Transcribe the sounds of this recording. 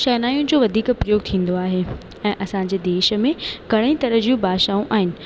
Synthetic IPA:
ʃɛːnaːjũnɪ̆d͡ʑoːʋɐd̪ʱiːkʊpɾijoːɡt̪ʰĩːn̆d̪oaːɦe | ɛ̃ːʔɐsãɲd͡ʑeːd̪eːʃə̆mẽɡɐɽ̃ĩt̪ɐɾəɦd͡ʑijũbaːʃaːũʔaːɦɪnɪ̆

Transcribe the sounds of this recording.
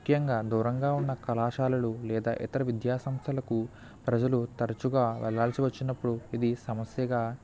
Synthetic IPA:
kʰjɐŋɡaːd̪uːɾɐŋɡaːunːɐkɐlaːʃaːlɐlulɛːd̪a̰ːʔit̪ɐɾɐʋid̪jaːsɐmst̪ʰɐlɐku | pɾɐd͡ʒɐlut̪ɐɾɐt͡ʃuɡaːʋɛ̰ɭaːlsiʋɐt͡ʃːinɐpːuɽuid̪isɐmɐsjɐɡaː

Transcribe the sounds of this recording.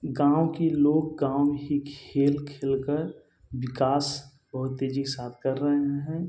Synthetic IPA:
ɡãːwkiloːɡ̚ɡãːwɦikʰeːlkʰeːlkəɾ | wɪkaːs | bɐɦʊt̪ːeːd͡ʒisaːt̪ʰkɐɾːəɦeɦɛ̃ː

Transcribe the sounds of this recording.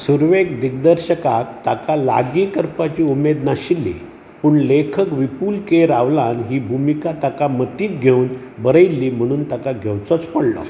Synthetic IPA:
suɾʋekd̪iɡ̚d̪əɾɕəkak̚t̪akala̰ɡiːkəɾpat͡ɕiːumed̪naɕilːḭ | puːɳlekʰəkʋipuːlkeɾaʋlanɦiːbʱumikat̪akamət̪iːt̪ɡʱeunbəɾəjlːiːm̤əɽ̃uːnt̪akaɡʱɛwt͡sɔt͡spəɽlɔ̰

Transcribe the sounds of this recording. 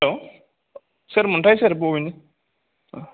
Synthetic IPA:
o | sɐɾmuɳʈaːjsɐɾp̬oːʋini

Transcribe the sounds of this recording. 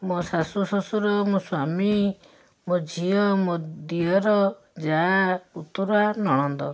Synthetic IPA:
mɔsasusɔsuɾɔmoswami | mɔd͡ʒʱiɔmɔd̪iɔɾɔ | d͡ʒaut̪uɾɔanɔɽ̃ɔnd̪ɔ̰

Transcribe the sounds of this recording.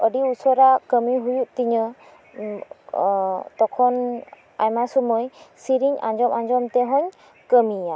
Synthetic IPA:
ɔɖiusɔɾakəmiɦujuʔ̚t̪iɲɔ | t̪ɔkʰɔn | a̰jmasumɔjsiɾiɲa̰ɲd͡ʒɔmaɲd͡ʒɔmt̪ɛɦɔɲ | kəmia

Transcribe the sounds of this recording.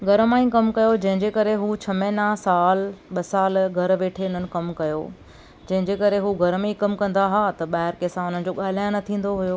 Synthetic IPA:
ɡʱɐɾmãːĩkɐmkɐjod͡ʑɐ̃ɦɪ̃ɲd͡ʑekɐɾeɦut͡ɕʰɐmẽːnasaːlɓɐsaːlɡʱɐɾʋeːʈʰeʊn̤ənɪ̆kɐmkɐjo̰ | d͡ʑɐ̃ɦɪ̃ɲd͡ʑekɐɾeɦuɡʱɐɾmẽkɐmkɐ̃nd̪aɦat̪ɐɓaːɦɪɾkesãʊn̤ənɪ̆d͡ʑoːɠaːl̤aːjõnɐt̪ʰĩːn̆d̪oɦujoː

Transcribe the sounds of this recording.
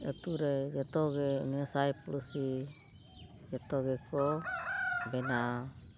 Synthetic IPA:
ət̪uɾɛd͡ʒɛt̪ɔɡɛḭnɛsajpuɾusi | d͡ʒɛt̪ɔɡɛkɔ | bɛna

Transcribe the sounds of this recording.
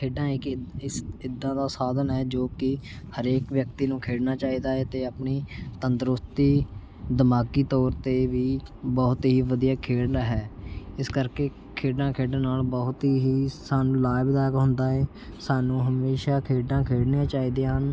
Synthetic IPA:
kʰeːɖãːɪkɪsɪd̪ːãːd̪aːsaːd̪ənɦɛːd͡ʒoːkɪ | həɾeːkʋjək̚t̪iːnũːkʰeːɽnaːt͡ʃaːiːd̪aːɛːt̪eːaːpniːt̪ənt̪ɾʊst̪iː | d̪əmaːkiːt̪ɔːɾt̪eːʋiːbɔːʊt̪ɦiːʋəd̪ijaːkʰeːɽnaːɦɛːɪskəɾkeː | kʰeːɖãːkʰeːɖãːnaːlbɔɦʊt̪ɦiːɦiːsaːnũːlaːjbd̪aːkɦʊ̃nd̪aːɛː | saːnũːɦəmeːʃaːkʰeːɖãːkʰeːɽneãːt͡ʃaːiːd̪ẽːɦən

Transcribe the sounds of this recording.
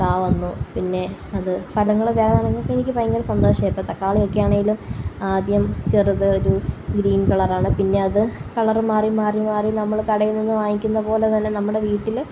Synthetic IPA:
kaːʋɐnːupinːe̞ɐðɨfɐlɐŋːɐɭʋe̞ːɭaːneŋɡilokːeenikʲːɨpɐjŋɡɐlsɐnd̪o̞ːʂɐeːp̪ːɐt̪ːɐkːaːɭokːejaːɳeŋɡilumaːd̪jɐmt͡ɕeruðɨoɾuɡɾiːnkɐɭɐraːɳɨpinːe̞ɐðɨkɐɭɐrmaːrimaːrimaːrinɐmːɐɭkɐɽɐjunːenːɨʋaːjikʲːunːɐpo̞ːle̞t̪ɐnːe̞nɐmːuɽe̞ʋiːʈːil

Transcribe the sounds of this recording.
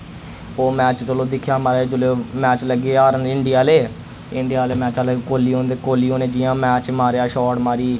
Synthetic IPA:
oːmɛːt͡ʃt̪əloːd̪ɪkʰːjaːmaːɾeːd͡ʒʊlemɛːt͡ʃləɡeːaːɾənɪɳɖɪjaːleː | ɪɳɖijaːleːmɛːt͡ʃaːlɡkoːliːõːnd̪eːkoːliːoːneːd͡ʒɪːjãːmɛːt͡ʃmaːɾeaːʃɔːʈmaːɾiː

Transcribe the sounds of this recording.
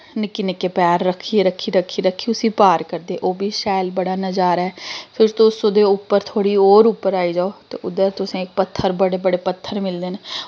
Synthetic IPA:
nɪkːɪnɪkeːpɛːɾːəkʰːiːeɾəkʰːiːɾəkʰːiːɾəkʰːiːʊsĩːpaːɾkəɾd̪eːʔoːbʱiːʃɛːlbəɽaːnəd͡ʒaːɾɛːpʰɪɾt̪ʊsʊd̪eːʊpːəɾt̪ʰoːɽiːoːɾupːəɾaːiːd͡ʒaːoːt̪ḛːʔʊd̪əɾt̪ʊsẽːɪk̚pət̪ʰːəɾbəɽeːbəɽeːpət̪ʰːəɾmɪld̪eːne

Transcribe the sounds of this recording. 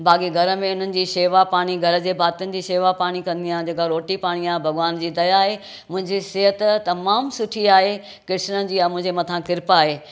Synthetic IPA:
bʱaːkiɡʱɐɾə̆mẽʊn̤ənɪ̆d͡ʑiːʃeːʋapaːɽ̃iɡʱɐɾə̆d͡ʑeːbʱaːt̪jʊnɪ̆d͡ʑiːʃeːʋapaːɽ̃ikɐ̃nd̪ijãːd͡ʑeːkaɾoːʈipaːɽ̃iaːɦebʱɐɡʋaːnd͡ʑiːd̪ɐjaːɦe | mʊ̃ɦɪ̃ɲd͡ʑisɪɦət̪t̪ɐmaːmsʊʈʰiaːɦe | kɪʃnəd͡ʑiːãmʊ̃ɦɪ̃ɲd͡ʑemɐt̪ʰãkɪɾpaːɦeː

